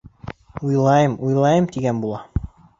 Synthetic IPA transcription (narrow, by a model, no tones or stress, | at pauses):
ujlˠɑjɤmujlˠɑjɤmt̪iɡænbulˠɑ